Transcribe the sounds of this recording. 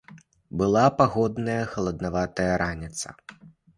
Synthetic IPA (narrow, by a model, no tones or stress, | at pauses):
bɨlˠapaɣɔd̪nɐjɐxɐlˠɐd̪navat̪ɐjɐɾanʲit̪sɐ̰